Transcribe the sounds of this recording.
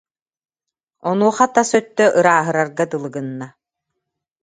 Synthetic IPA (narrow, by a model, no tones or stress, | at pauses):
ɔnuɔχat̪asœt̪ːœʔɯɾaːɦɯɾaɾɡat̪ɯlˠɯɡɯnːa